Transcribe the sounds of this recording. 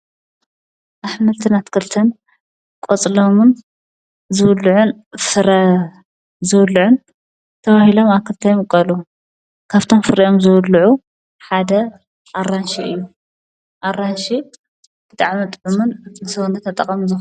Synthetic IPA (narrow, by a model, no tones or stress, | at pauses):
ʔaħmɐlt̪ʰɨnat̪kʰɨlt̪ʰɐn | kʼot͡sʼlomɨn | zɨwlːʕunfɨɾɐ | zɨwlːʕun | t̪ʰɐβahilo̞maβkʰɨlt̪ʰajomkʼɐlu | kʰaβt̪ʰo̞mfɨɾiʔo̞mzɨwʊlːʕu | ħad̪ɐ | ʔaranʃiʔɨ̰jːu | ʔarːanʃi | b̥ɨt̪ʼaʕmit̪ʼʕumunnɨsɐwnɐt̪ʰɐt̪ʼɐkʼɐmzɨ